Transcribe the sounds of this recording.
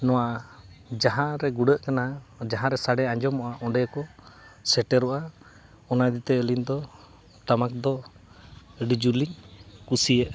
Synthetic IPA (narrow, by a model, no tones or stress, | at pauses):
nɔwad͡ʒaɦãɾɛɡuɖəʔkanad͡ʒaɦãɾɛsaɖɛãɲd͡ʒɔmɔʔaʔɔɳɖɛkɔsɛʈɛɾɔʔa | ɔnad̪it̪ɛːlind̪ɔ | t̪amak̚d̪ɔ | ɖid͡ʒuliŋkusiəʔ